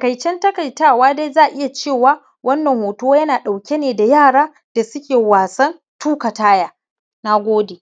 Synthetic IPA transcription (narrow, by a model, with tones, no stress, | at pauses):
tkɐ˨jt͡ʃɛ˦ntɐ˦kɐ˨jtaː˦˨waː˦da˦jzaː˦˨ʔɪ˦ja˨t͡ʃeː˦˨waː˦ | wʔɐ˦nːɐ˨ŋhoː˨toː˦wjɐ˦naː˨ɗa˨wkʲe˦neː˨da˨jaː˦˨ɽaː˦ | d̥a˨sʊ˦kʲeː˨waː˨sɐ˦n | tʰuː˦kɐ˨taː˦jaː˨ | na˦ɡʷoː˦deː˨